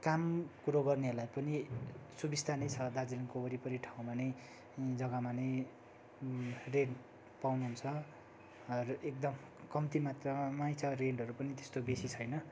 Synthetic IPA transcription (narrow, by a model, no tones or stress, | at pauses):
kamkuɾoɡʌrnelajpʌnisubist̪ʰanʌjt͡sʰʌd̪ad͡zilʌnkobʌɾipʌɾiʈʰaw̃manʌj | d͡zʌɡamanʌj | ren | pawnuɦunt͡sʰʌ | rek̚d̪ʌm | kʌmt̪imat̪rʌmajt͡sʰʌreɳɖɦʌɾupʌnit̪e̥st̪obesit͡sʰʌjnʌ